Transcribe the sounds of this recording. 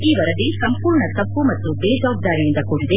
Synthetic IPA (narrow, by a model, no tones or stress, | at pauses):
iːʋɐɾɐd̪isɐmpuːɾɳɐt̪ɐpːumɐt̪ːubeːd͡ʒaːɡ̚d̪aːɾijind̪ɐkuːɽid̪e